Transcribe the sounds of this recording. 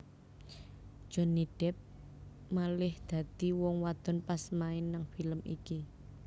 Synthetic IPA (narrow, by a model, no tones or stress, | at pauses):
ʒ̥ɔ̤niɖ̥ɛp̚ | malɪhd̪̥a̤d̪̥iwɔŋwad̪̥ɔ̤npasmaɪnːaŋfiləmʔḭki